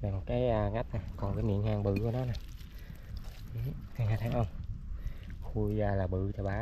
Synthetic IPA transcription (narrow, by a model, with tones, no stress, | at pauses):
naː˨˩jmo˨˩t̚kaː˨˦jʔəː˧ŋa˦˥jt̚naː˨˩kɔ˨˩nkaː˨˦jmḭ˧˨ənhaː˨˩ŋɓɨ̰˧˩ku˧˦nɔ˨˦naː˨˩j | ʔɨ˨˦kaː˨˦jŋa˦˥t̚haː˧˦˥ʔə˧wŋ͡m | xu˧jaː˧laː˨˩ɓɨ̰˧˨t͡ɕɔ˧ɓaː˨˦